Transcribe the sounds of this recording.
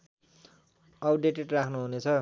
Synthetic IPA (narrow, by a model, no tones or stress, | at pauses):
ʌɖeʈeʈrakʰnuɦunet͡sʰʌ